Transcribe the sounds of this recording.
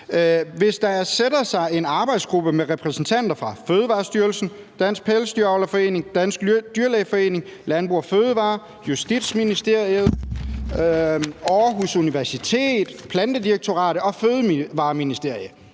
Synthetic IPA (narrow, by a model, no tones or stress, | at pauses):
ʋe̝sd̥ɑ̈ɐsed̥ɐsɑ̈ɪe̝nɑ̈ːb̥ɑ̈ɪd̥sɡ̥ʁub̥əmeʁɛpʰʁɛsn̩t͡sʰæn̰d̥ɐfʁɑ̈føːð̞ˠəʋɑ̈ːsd̥yɐlsn̩ | d̥æn̰sɡ̥̚pʰelsd̥yɐɒʊlɐfɒ̽e̝̰ːne̝ŋd̥æn̰sɡ̥d̥yɐlɛɪfɒ̽e̝̰ːne̝ŋlænb̥ʁuɐføːð̞ˠəʋɑ̈ː | jusd̥id̥sminisd̥e̝ɐ̰iəð̩ˠ | ɒːɦusuniʋæɐsit͡sʰe̝̰ːd̥pʰlænd̥əd̥ieɡ̥̚t͡sʰo̝ʁɑ̰̈ːɾ̥əɒ̽føð̞ˠʋɑ̈ːminisd̥e̝ɐ̰jə